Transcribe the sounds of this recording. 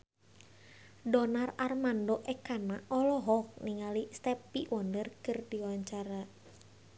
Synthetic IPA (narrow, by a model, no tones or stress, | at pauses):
dɔnararmandoʔɛkanaʔɔlɔɦɔk̚niŋalist̪ɛpiwʔɔndərkɨrdiwaɲt͡ʃaɾa